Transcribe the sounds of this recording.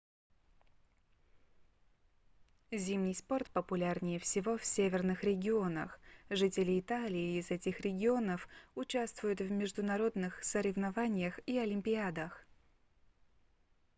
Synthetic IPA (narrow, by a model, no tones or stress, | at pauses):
zʲimnʲɪjspo̞rt̪̚pəpʊlʲarnʲɪjəfsʲɪvo̞fsʲevʲɪrnɨxɾʲɪɡʲɪo̞nə̰xʐɨtʲɪlʲɪːt̪alʲɪɪːzɛtʲɪxɾʲɪɡʲɪo̞nəfʊt͡ɕast̪vʊjʊt̪vmʲɪʐd̪ʊnɐɾo̞d̪nɨxsəɾʲɪvnɐvanʲɪjəxiɐlʲɪmʲpʲɪad̪əx